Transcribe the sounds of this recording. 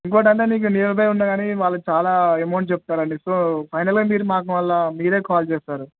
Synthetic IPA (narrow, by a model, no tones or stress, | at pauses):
iŋk̬oːʈɐɳʈe̞ːniːk̬uniːlɐp̬ɐjunːaɡaːniʋaːɭːɐt͡ʃaːlaːemoːɳʈ̚t͡ʃep̚t̪aːɾɐɳɖisoːpʰɐjnɐlɡaːmiːɾumaːk̬ɐmʋɐlːamiːɾe̞ːkaːlt͡ʃeːst̪aːɾu